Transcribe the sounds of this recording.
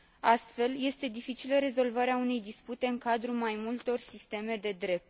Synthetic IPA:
ast̪fe̞lje̞st̪e̞d̪ifit͡ʃiləɾe̞zo̞lvaɾeaune̞jd̪isput̪e̞ɨŋkad̪ɾumajmult̪o̞rsist̪e̞me̞d̪e̞d̪ɾe̞p̚t̪

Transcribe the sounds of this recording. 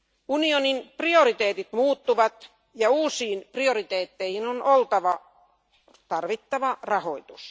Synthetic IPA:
unioninprioɾit̪eːt̪it̪muːt̪ːuʋɑt̪ | jɑuːsiːnpriorit̪eːt̪ːeihinonʔolt̪ɑʋɑ | t̪ɑrʋit̪ːɑʋɑrɑho̰it̪us

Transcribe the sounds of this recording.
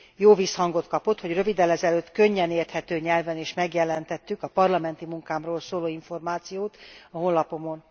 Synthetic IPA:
joːvishɒŋɡo̞t̪kɒpo̞t̪ho̞ɟrø̞vid̪ɛlɛzɛløːt̪kø̞ɲːɛneːrt̪hɛt̪øːɲɛlvɛneːʃmɛɡjɛlɛnt̪ɛt̪ːykɒpɒrlɒmɛnt̪imuŋkaːmroːlsoːloːiɱfo̞rmaːt̪sijoːt̪ɒɦo̞nlɒpo̞mo̞n

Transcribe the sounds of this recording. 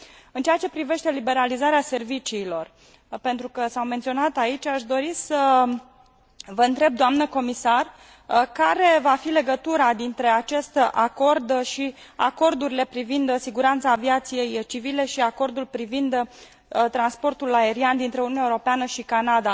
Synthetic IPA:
ɨnt͡ʃeat͡ʃe̞pɾive̞ʃt̪e̞libe̞ɾalizaɾease̞rvit͡ʃiːlo̞r | pent̪ɾukəsawme̞nt̪sʲio̞nat̪ait͡ʃʲaʃd̪o̞ɾisə | vəɨnt̪ɾe̞b̚d̪oamnəko̞misar | kaɾe̞vafile̞ɡət̪uɾad̪int̪ɾe̞at͡ʃe̞st̪ʔako̞rd̪ʃia̰ko̞rd̪uɾile̞pɾivind̪siɡuɾant̪saːviat̪sije̞jt͡ʃivile̞ʃiako̞rd̪ulpɾivind̪ | t̪ɾanspo̞rt̪ulae̞ɾiand̪int̪ɾe̞ununaeuɾopeanəʃikanad̪a

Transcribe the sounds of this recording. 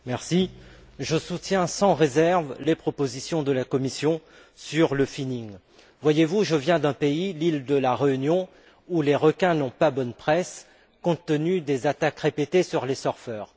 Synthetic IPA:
mɛʁsi | ʒəsut̪jɛ̃sɑ̃ʁezɛʁvlepχɔpozisjɔ̃d̪əlakɔmisjɔ̃ | syʁləfiniŋ | vwajevuʒəvjɛ̃d̪ɛ̃peilild̪əlaʁeynjɔ̃ | uleʁɔkʲɛ̃nɔ̃pabɔnpχɛs | kɔ̃t̪ːənyd̪ezat̪akʁepet̪esyʁlesɔʁfœːʁ

